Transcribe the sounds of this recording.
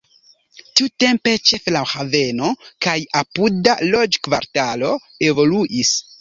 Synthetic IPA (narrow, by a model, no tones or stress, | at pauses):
tiute̞mpe̞t͡ʃe̞flahave̞no̞kajapudalo̞d͡ʒkvaɾtalo̞ | e̞vo̞luʔis